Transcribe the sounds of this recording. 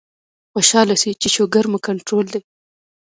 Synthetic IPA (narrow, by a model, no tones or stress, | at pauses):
xoʃɑlasit͡ʃeʃoɡaɾməkaɳʈɾold̪e